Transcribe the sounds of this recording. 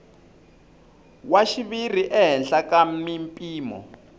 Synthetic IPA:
waʃiβir̤iʔɛɦɛnɬakamimpʼiːmɔ̰

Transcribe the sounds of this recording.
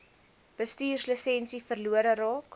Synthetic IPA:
b̥əstyːrsləsɛnsifərluəɾəɾɑːk

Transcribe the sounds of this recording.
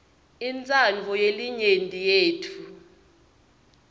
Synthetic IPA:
int͡sʼand͡ɮʱɔjeliɲentʼijeːtʰu

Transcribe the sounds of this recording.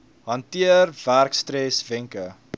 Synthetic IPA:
ɦɐntiərværkstɾɛsvɛŋkə

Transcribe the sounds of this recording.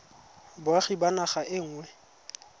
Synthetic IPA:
bwaχibanaχaʔɪŋ̩ːŋwɛ

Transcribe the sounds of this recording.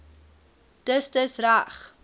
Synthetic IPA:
d̥əsdəsraχ

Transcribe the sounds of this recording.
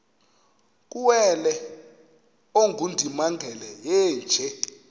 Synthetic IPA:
k̬ʼuwɛlɛ | oŋɡʱundʱimaŋɡʱɛlɛjɛːnd͡ʒʱɛ

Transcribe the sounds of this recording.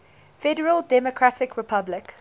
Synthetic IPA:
fɛdəɹəlˠdɛmɔkʰɹatɪkʰɹɪpʰablɪk

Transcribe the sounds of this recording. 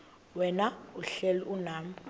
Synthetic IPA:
wɛnauɬɛliʔunaːmu

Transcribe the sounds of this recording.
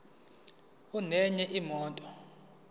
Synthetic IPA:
unɛɲɛʔimɔːntʼɔ

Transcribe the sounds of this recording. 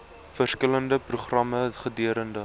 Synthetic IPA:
fərskələndəpruχrɐməχədyəɾəndə

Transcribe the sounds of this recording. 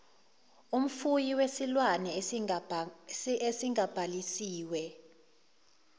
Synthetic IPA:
um̩fujiwesilwanɛ | esiŋab̥ʱalisiːwɛ

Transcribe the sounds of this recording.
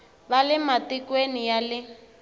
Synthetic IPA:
balɪmatikwenijalɪ

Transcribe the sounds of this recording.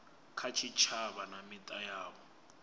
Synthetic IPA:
kʰat͡ʃʰit͡ʃʰaβanamitʼajaːβɔ

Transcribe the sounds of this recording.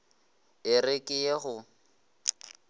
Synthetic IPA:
ɪrɪkʼɪjeɣʊ

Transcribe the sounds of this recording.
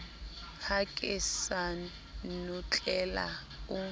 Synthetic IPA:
kʰakʼisa | nut͡ɬʼɛla̰ | u

